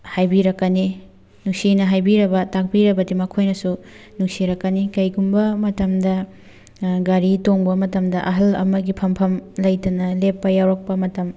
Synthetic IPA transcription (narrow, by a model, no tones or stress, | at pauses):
hajbiɾɐkːɐni | nuŋsinɐɦajbiɾɐbɐtak̚biɾɐbɐdimɐkʰojnɐsu | nuŋsiɾɐkːɐnikɐjɡumbɐmɐtɐmdɐ | ɡaɾitoŋbɐmɐtɐmdɐʔɐɦɐlɐ̰mɐɡipʰɐmpʰɐmlɐjtɐnɐlepːɐjawɾɐk̚pɐmɐtɐm